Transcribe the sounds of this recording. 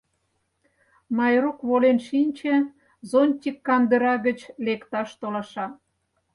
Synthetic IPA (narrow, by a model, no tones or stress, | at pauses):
mɑjrokβolenʃinʲt͡ɕe | zonʲt̪ʲikːɑnd̪ə̆ɾɑɣə̆t͡ɕlekt̪ɑʃt̪olɑʃɑ